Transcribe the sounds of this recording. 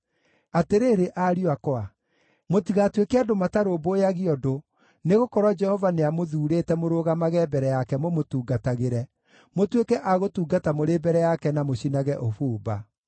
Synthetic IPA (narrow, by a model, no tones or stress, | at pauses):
ateɾeːɾeʔaɾiwakɔa | motiɣatwekeadomataɾobojaɣiɔdo | neɣokɔɾwad͡ʒɛhɔvaneamoðuːɾetɛmoɾoːɣamaɣɛbɛɾɛjakɛmomotuːɡataɣeɾɛ | motwekɛʔaɣotuːɡatamoɾeːbɛɾɛjakɛnamoɕinaɣɛʔofuːba